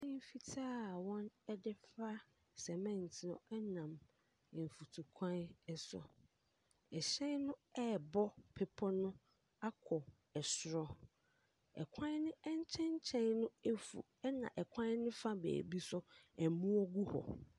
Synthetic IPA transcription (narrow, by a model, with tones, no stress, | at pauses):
ɪ̃˦m˦fi˦tʰaː˦˨wɔ̃˦nɛ˦dɪ˦fa˦ | sɛ˨mɛ̃˦˨n˨tʰɪ˨nʊ̰̃˦ɛ˦nã˨m̩˨ | fu˨tʰu˨kʷʰã˦nɛ˦sʊ̰˨ | ɛ˨ɕɛ̃˦nnʊ̃˦ɛ˦˨bɔ˦pʰɪ˨pʰɔ˦nʊ̃˦ | a˦kʰɔ˨ | ɛ˨sʊ˨ɾɔ˨˦ | ɛ̰˨kʷʰã˦nɪ̃˦ɛ˦ɲ˦t͡ɕʰɛ̃˦ɲ˦t͡ɕʰɛ̃˦nnʊ̃˦e˦fṵ˨ | ɛ˦nã̰˨ʔɛ˨kʰʷã˦n˦nɪ̃˦fa˦bḛː˨bi˦sʊ˦ɛ˨mũ˦ɔ˦ɡu˦hɔ̰˨